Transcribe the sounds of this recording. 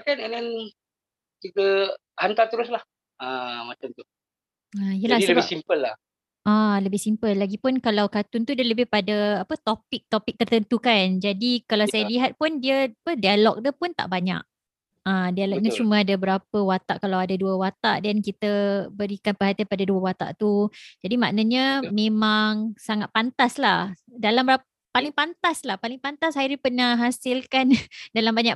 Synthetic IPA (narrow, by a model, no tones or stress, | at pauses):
akanɛnɛn | t̪iɡə | hant̪at̪əɾʊslah | amat͡ʃamt̪u | aijəlahbɪsimpəlːah | ʔaləbɪhsimpəlːaɡipʊnkalawkat̪ʊnt̪udiələbɪhpadaapət̪opɪk̚t̪opɪk̚t̪ərt̪ənt̪ukand͡ʒadikalawsajaliɦat̪̚pʊndiəapədialɔk̚dupʊnt̪a̰ʔbaɲa̰ʔ̚ | ãdialɔk̚ɲat͡ʃumãadabəɾapəwat̪a̰ʔkalawadaduəwat̪aʔdankit̪əbəɾikanpərɦat̪ianpadaduəwat̪a̰ʔt̪ud͡ʒadima̰ʔnəɲə̃mẽmaŋsaŋat̪̚pant̪aslahdalambəɾa | palɪŋpant̪aslahpalɪŋpant̪ashajɾipənaɦasɪlkandalambaɲaʔ